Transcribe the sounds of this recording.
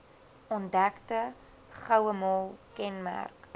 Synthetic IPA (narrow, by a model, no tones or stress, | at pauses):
ɔndæktə | χəwəmɔlˠkɛnmæ̰rk